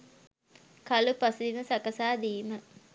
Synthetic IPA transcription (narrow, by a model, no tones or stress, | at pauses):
kalupasid̪iməsakɐsaːd̪iːmə